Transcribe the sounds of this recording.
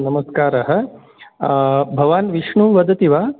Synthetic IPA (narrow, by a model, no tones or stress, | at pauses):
nɐmɐskaːɾɐɦɐ̆ | bʱɐʋaːnʋiʂɳuːʋɐd̪ʱɐt̪iʋaː